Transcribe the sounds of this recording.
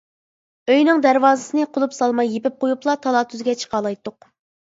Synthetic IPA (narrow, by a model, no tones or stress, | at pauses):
øjnɪŋd̪æɾwɑːzɨsɨnɨqʰolˠupsɑlˠmɑjːepɪp̚qʰojuplˠɑt̪ʰɑlˠɑt̪ʰyzɡʲɛt͡ʃʰə̥qʰɑlˠɑjt̪ːʊq